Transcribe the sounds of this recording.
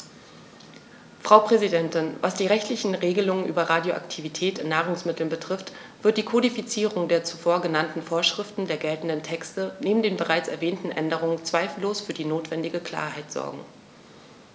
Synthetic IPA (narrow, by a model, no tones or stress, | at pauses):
fʁ̥aʊpʁ̥ɛzidɛntɪnva̰sd̥iːʁɛçtʰlɪçn̩ʁeːɡəlʊŋənʔyːbɐʁaːdjoʔa̰ktʰivitʰɛːtɪnːaːʁ̞ʊŋsmɪtl̩nbətʁ̥ɪft | v̥ɪɐt̚d̥iːkʰodifit͡siːʁʊŋdeːɐt͡sufoːɐɡənantn̩foːɐʃʁ̥ɪftn̩deːɐɡɛltn̩dəntʰɛkstəneːbm̩deːnbəʁaɪt͡sɛ̰ɐvɛːntn̩ʔɛndəʁ̞ʊŋənt͡sv̥aɪfl̩loːsfyːɐdiːnoːtv̥ɛndɪɡəkʰl̥a̰ːɐɦaɪtz̥ɔ̰ɐɡŋ̩